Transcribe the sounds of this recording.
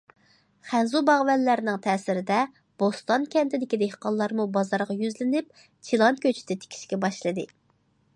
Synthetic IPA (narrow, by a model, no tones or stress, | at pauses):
χænzubɑʁvɛlːæɾɪnɪŋt̪ʰɛːsɪɾɪd̪ɛ | b̥ost̪ɑnkʲʰɛnt̪ɪd̪ɪkʲid̪ehqɑlˠːɑɾmubɑzɑɾʁɑjyzlɪnɪp̚ | t͡ʃʰilˠɑnkʲʰøt͡ʃʰɪ̥d̪ɛt̪ʰe̥kʲʰi̥ʃkʲɛbɑʃlˠɨd̪ɨ